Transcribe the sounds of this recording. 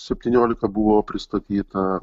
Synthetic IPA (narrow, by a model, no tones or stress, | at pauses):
sʲɛpʲt̪ʲiːnʲoːlʲɪkɐbʊʋoːpʲɾʲɪst̪ɐt̪ʲiːt̪ɐ